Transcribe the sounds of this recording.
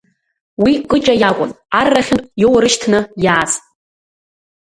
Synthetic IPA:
wikʼɨt͡ʃʼajakʷʼʊ̰n | arːaχʲɪnpʼjowrɨʃtʰnɨjaːt͡sʼ

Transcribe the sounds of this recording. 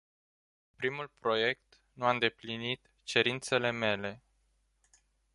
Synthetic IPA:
pɾimulpɾo̞je̞k̚t̪ | nuaɨnd̪e̞plinit̪ | t͡ʃe̞ɾint̪se̞le̞me̞le̞

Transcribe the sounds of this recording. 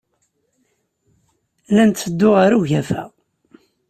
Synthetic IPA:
lænt̪ːəd̪ːʊʁaɾuʝæfæ̰

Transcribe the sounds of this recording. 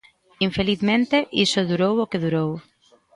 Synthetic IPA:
iɱfeliθmẽnt̪eʔisʊðuɾowokeðuɾow

